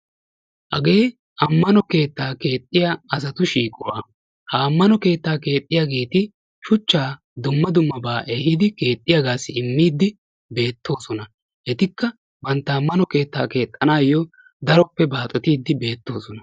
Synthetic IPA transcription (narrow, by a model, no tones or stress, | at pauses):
hɐ̰ɡe̞ː | ɐmːɐnɔke̞ːt̪ːaːke̞ːt̪ʼːɪjaɐs̬ɐt̪ʊʃiːkʼɔwa̰ː | haːmːɐnɔke̞ːt̪ːaːke̞ːt̪ʼːɪjaɡeːt̪ɪ | ʃʊt͡ʃːaː | d̪ʊmːɐd̪ʊmːɐbaːʔeːɦɪd̪ɪke̞ːt̪ʼːɪjaɡaːsɪɪmːiːd̪ːɪ | be̞ːt̪ːo̞ːsɔnɐ | ʔɛt̪ɪkːɐ | bɐnt̪ːɐːmːɐnɔke̞ːt̪ːa̰ːke̞ːt̪ʼːɐnaːjːɔ | d̪ɐɾɔpːɛbaːt̪ʼɔt̪iːd̪ːɪbe̞ːt̪ːo̞ːsɔnɐ